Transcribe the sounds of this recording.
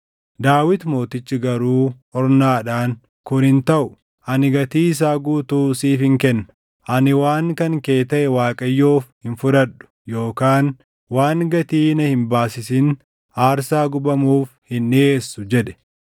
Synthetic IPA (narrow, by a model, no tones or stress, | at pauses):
d̪aːwɪt̪mo̞ːt̪ɪt͡ʃːɪɡɐɾuːhɔɾnaːᶑaːŋ | kʊnhɪnt̪ɐʔʊ | ʔɐnɪɡɐt̪iːs̬aːɡuːt̪uːsiːfɪŋkɛnːɐ̥ | ʔɐnɪwaːŋkɐŋke̞ːt̪ɐʔɛwaːkʼɐjːoːfhɪnfʊɾɐᶑʊ̥jo̞ːkaːn | waːŋɡɐt̪iːnɐhɪmbaːsɪsɪn | aːɾsaːɡʊbɐmuːfhɪnːeːsːʊd͡ʒɛᶑɛ̥